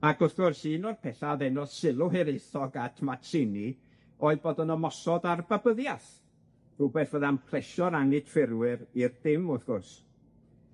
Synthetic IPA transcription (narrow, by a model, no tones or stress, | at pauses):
akʊθɡ̥ʊrsiːnɔrpʰɛθaðɛnɔssɪlˠʊɦɛɾejθɔɡatʰmatʰsɪni | ɔɨðboːdənəmɔsɔdarbabəðjaθ | b̥ubɛθvəðamkʰl̥ˠɛʃɔɾaŋɨtʰfɪrwɪɾird̥ɪmʊθɡ̥ʊrs